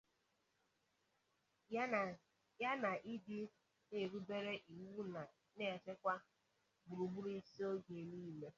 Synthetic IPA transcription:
ja˦na˨ʔi˦dɪ˦ | ne˨ɾu˦be˦ɾe˦ʔi˨wu˦na˨ | ne˦˨t͡ʃe˦kʷa˦ | bu˨ɾu˨bu˦ɾi˦si˦o˦ɡe˨niː˦me˦

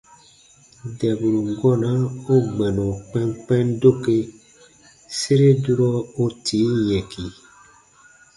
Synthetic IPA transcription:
dɛ˨bu˨ɾu˨ŋɡɔ˦na˦o˦ɡ͡bɛ˨nɔ̃˨k͡pɛ˦ŋk͡pɛ˦ndo˦ke˦ | se˦ɾe˦du˦ɾɔ˦o˦tʰi˨˦jɛ̃˨ki˨

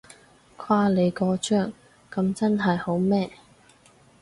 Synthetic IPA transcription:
kʷʰaː˥le˨˧jkɔː˧t͡ʃœː˥ŋ | kɐ˨˧mt͡sɐ˥nɦɐ˨jho˨˥wmɛː˥

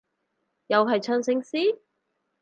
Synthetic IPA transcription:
jɐ˨wɦɐ˨jt͡ʃʰœː˧nsɪ˧˥ŋsiː˥

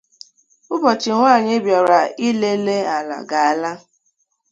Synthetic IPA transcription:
ʊ˦bɔ˨t͡ʃɪ˨ŋʷaː˦˨ɲe˦bja˨ɾa˨i˦le˦le˦a˨la̰˨ɡa˨a˨la˦

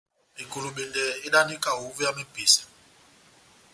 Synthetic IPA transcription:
i˨ku˨lu˨ɓi˨ndɛ˨i˦ɗa˦ni˦kʼa˨ɦu˨˦vɛ˦ja˦me˦b̥ʱi˨sḁ˨

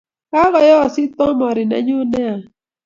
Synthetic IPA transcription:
ka˦ɣɔ˨jɔ˦˨sɪ˦t̪ɔ˦mɔ˨ɾɪ˨na̰˨˦ɲo˦nɛ˦a˨

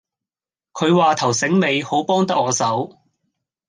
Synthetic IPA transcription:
kʰɵ˨˧ɥwaː˨t̪ʰɐ˨˩wsɪ˨˥ŋme˨˧jho˨˥wpɔː˥ŋt̪ɐ˥k̚ŋɔː˨˧sɐ˨˥w

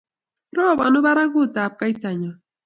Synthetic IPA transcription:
ɾɔ˦˨βa˨nu˦βa˦ɾa˦ɣu˦˨ta˨p̚ka˦i˦ta˨ɲa˨

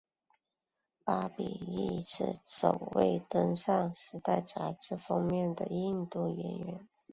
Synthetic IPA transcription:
pa˥pḭ˨˩i˥˩ʂʰɻ̩˥˩ʂo˨˩ʊwe˥˩ɪt̪ə˥ŋʂɑ˥˩ŋʂɻ̩˧˥t̪a˥˩ɪt͡sa˧˥ʈ͡ʂɻ̩˥˩fɑ˥ŋmjɛ˥˩nd̪ə˨˩i˥˧ŋt̪u˥˩ɥɛ˧˥nɥɛ˧˥n

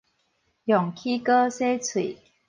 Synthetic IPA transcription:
jɔ˨˩ŋkʰi˦kə˦se˦t͡sʰwḭ˨˦

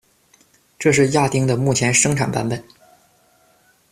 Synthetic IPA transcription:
ʈ͡ʂɤ˥˧ʂ̬ɻ̩˥˧ja˥˩t̪i˥ŋd̪ə˨mu˥˩t͡ɕʰjɛ˧˥nʂɤ˥ŋʈ͡ʂʰa˨˩npa˧˥npə˨˩˦n

